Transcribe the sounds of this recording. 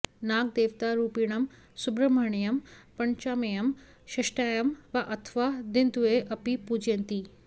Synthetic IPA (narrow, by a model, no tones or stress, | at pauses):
naːɡ̚d̪eːʋt̪aɾuːpiːɽ̃ɐm | sʊbɾɐmaːɳijɐmpɐɲt͡ʃaːmeːjɐm | ʃɐʃʈaːjɐmʋɐʔɐt̪ʰʋad̪ɪnd̪ueʔɐpipuːd͡ʑẽnt̪iː